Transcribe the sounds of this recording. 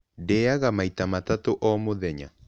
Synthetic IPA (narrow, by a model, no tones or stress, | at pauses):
deaɣamaitamatatoʔɔmoðɛɲa̰